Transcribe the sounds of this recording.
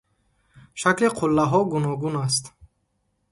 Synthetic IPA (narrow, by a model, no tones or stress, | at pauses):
ʃakliqʰulːaɦɔɡunɔɡunas̬t̪